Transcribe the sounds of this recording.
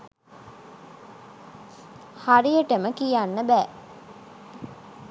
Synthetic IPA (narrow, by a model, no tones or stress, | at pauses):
harijəʈəməkijanːəbæː